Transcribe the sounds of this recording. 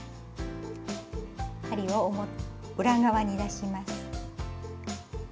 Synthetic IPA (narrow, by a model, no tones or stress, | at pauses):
haɾʲiβa | ɯ̟ɾaɡaβaɲ̟id̪aɕimasɨ̥